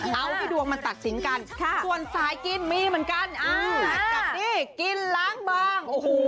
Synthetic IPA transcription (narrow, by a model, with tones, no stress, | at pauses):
ʔa˧wha˥˩jdu˧əŋma˧nt̪a˨˩t̪̚si˩˦nka˧nʰ˥˩su˨˩ənsaː˨˦jki˧nmiː˧mɯ˩˦nka˧nʔa˧ka˨˩niː˧˥˩ki˧nlaː˦˥ŋbaː˧ŋʔo˧˩h